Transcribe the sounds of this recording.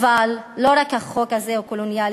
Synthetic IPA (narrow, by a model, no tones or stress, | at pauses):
valːo̞ɾakhaχo̞khazeokolonjal